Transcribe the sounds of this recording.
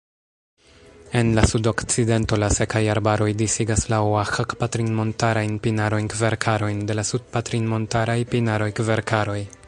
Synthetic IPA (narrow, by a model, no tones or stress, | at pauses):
e̞nlasudo̞kt͡side̞nto̞lase̞kajaɾbaɾo̞jdisiɡaslawaxakpatɾinmo̞ntaɾajnpinaɾo̞jnkve̞ɾkʰaɾo̞jnde̞lasud̚patɾinmo̞ntaɾajpinaɾo̞jkve̞ɾkʰaɾo̞j